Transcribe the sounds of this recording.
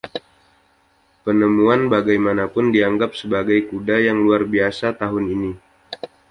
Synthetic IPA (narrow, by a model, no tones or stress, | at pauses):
pənəmuanbaɡajmanapʊndiaŋɡap̚səbaɡajkudajaŋluarbiasat̪aɦʊnini